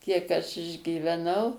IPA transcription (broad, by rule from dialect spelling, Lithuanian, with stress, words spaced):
ˈkʲiɛk ɐʃ ɪʒʲɡʲiːʋʲɛˈnɐʊ